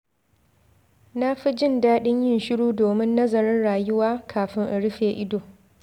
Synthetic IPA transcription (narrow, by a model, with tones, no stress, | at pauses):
na˦ɸi˦d͡ʒɪ˦˨ndaː˦ɗɪ˦ɲjɪ˦nʃɪ˦ɽuː˦doː˨mɪ˦nːɐ˦zɐ˨ɾɪ˦nɽaː˨jʊ˦waː˦kʰaː˨ɸɪ˦ŋʔa˨ɽɪ˦ɸeː˨ʔɪ˦doː˨